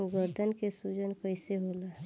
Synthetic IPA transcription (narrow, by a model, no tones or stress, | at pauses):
ɡəɾd̪ʱənkesud͡ʒənkəɪseɦoːlaː